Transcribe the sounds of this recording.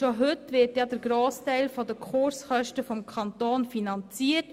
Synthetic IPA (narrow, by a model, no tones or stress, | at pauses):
ʃoɦʏtʋɪɾtjɑdəɾɡɾoːstæɪlfɔdəkʰχʊɾsχœʃtəfɔmkʰɑntoːnfinɑnt͡siːət